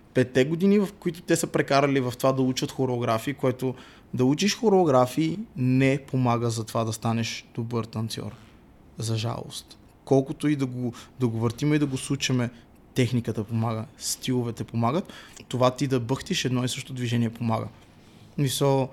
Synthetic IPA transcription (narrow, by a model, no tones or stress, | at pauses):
pɛt̪ːɛɡod̪inivɐfkoit̪ʊ̥t̪ɛsəpɾɛkaɾəlivɐft̪ovad̪ɐut͡ʃət̪xoɾɛːɡɾafiːkoɛt̪o | d̪ɐut͡ʃiʃxoɾɛːɡɾafiːnɛpomaɡəzɐt̪ovad̪ɐst̪anɛʃd̪̥obəɾt̪ɐnt̪sʲjɔ̰ɾ | zɐʒa̰lˠo̰st̪ | kɔlˠkot̪oid̪ɐɡod̪ɐɡovəɾt̪imɛid̪ɐɡoslˠut͡ʃɐmɛ | t̪ɛxnikət̪əpomaɡəst̪ilˠovɛt̪ɛpomaɡət̪ːovat̪id̪ɐbɤxt̪iʃɛd̪nɔisəʃt̪ot̪od̪viʒɛniɛpomaɡə̰ | smisəlˠ